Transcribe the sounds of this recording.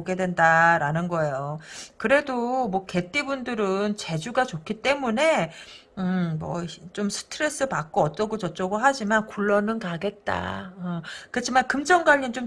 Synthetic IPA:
ɡe̞dwendaɾanɯnɡʌe̞jokɯɾe̞domʌke̞t͈ibundɯɾɯnt͡ɕe̞d͡ʑuɡat͡ɕokʰit͈e̞mune̞ | ɯmʌt͡ɕomsʰɯ̥tʰɯɾe̞s͈ɯpak͈̚oʌt͈ʌɡot͡ɕʌt͡ɕ͈ʌɡoɦad͡ʑimankuɭːʌnɯnkaɡe̞t̚t͈a̰ʌkɯt͡ɕʰimankɯmd͡ʑʌŋɡwaʎːint͡ɕom

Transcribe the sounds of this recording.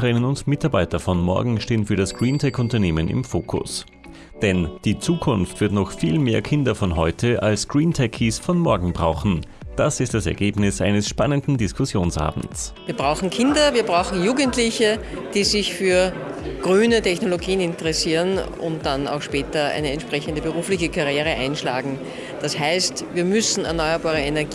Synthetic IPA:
əʁɪnənʊndmɪtaɐbaɪtɐfɔnmɔ̰ɐɡŋ̩ʃteːənfyːɐɾasɡ̥ʁiːntʰɛkʊntɐneːmənɪ̰mfo̰ːkʰʊ̰s | d̥ɛnd̥iːt͡suːkʰʊnftv̥ɪɐtnɔχfiːlmeːɐkʰɪndɐfɔnɦɔʏtʰəʔalsɡ̥ʁiːntʰɛkʰiːsfɔnmɔɐɡŋ̩bʁaʊxn̩ | d̥asɪst̚d̥asɛ̰ɐɡeːbnɪsʔa̰ɪnəsʃpanəndn̩dɪskʰʊsjoːnsʔa̰ːbm̩t͡sviːɐbʁaʊxŋ̩kʰɪndɐviːɐbʁaʊxn̩juːɡəntlɪçəd̥iːzɪçfyːɐɡ̥ʁyːnətʰɛçnoloɡiːənɪntəʁɛsiːʁən | ʊ̰̃nt̚d̥ana̰ʊxʃpɛːtɐæ̰ɪnəɛntʃpʁ̥ɛçəndəbəʁuːflɪçəkʰaʁjeːʁəʔæɪnʃla̰ːɡŋ̩ | d̥ashæɪstviːɐmʏsn̩ɛɐnɔʏɐbaːʁəɛnɛɐɡ

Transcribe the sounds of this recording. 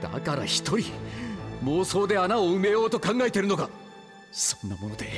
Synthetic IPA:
d̪̥a̰kaɾa̰çi̥t̪o̞ɾʲi | mo̞ːso̞ːd̪e̞anaoɯ̟me̞jo̞ːt̪o̞kãŋɡae̞t̪eɾɯ̟no̞ka | sõ̞nːamo̞no̞d̪e̞

